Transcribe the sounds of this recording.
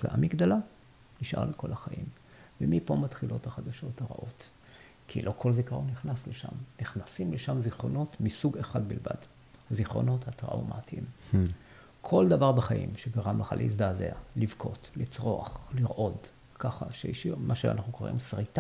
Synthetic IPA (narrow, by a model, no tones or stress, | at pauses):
la̰ʔamiɡd̪ala | niʃʔa̰ʁleko̞̰laχaʔḭm | vemipo̞mat̪χilʔo̞thaχadaʃo̞thaʁa̰ʔo̞t̪ | kʰḭlʔo̞kʰo̞lzikaʁuniχnasleʃa̰mniχnasimleʃamziχʁo̞no̞tmisuɡeχad̪bilva̰d | haziχʁo̞̰no̞that̪ʁa̰wma̰tʰim | kʰo̞ld̪avaʁbaχaʔḭmʃeɡaʁamlaχa̰lʔḭs̬d̪azḛa̰livkʰo̞̰t̪lit͡sʁo̞a̰χliʁʔo̞d | kaχa̰ʃeiʃiʁmaʃea̰nʔaχnuko̞ʁḭmsʁita